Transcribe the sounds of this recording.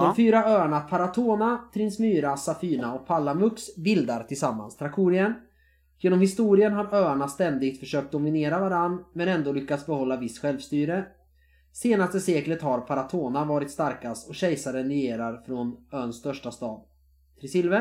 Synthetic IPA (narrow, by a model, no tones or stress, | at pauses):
d̪̥ɔfyːɾaøːaɳapʰaɾat̪ʰoːnat̪ʰɾɪnsmyːɾasafyːɳaɔk̚pʰalːamɵksbɪld̪aɾt̪ʰɪlsamːa̰nst̪ʰɾakʰuːɾɪən | jeːnɔmhɪst̪uːɾɪənɦaɾøːaɳast̪ɛnd̪ɪɡ̚t̪fœʂøːk̚t̪̚d̪ɔmɪneːɾavaɾanːmɛnɛnd̪oːlʏkːat̪sbɛhɔlːavɪsːɧɛlvst̪yːɾə | seːnast̪əseːklət̪haɾpʰaɾat̪ʰoːnavɑːɾɪt̪st̪aɾkast̪ɔɕɛjsaɾənɾɛjeːɾaɾfɾɔnœːnst̪œʂʈast̪ɑːd̪ | t̪ʰɾɪsɪlvə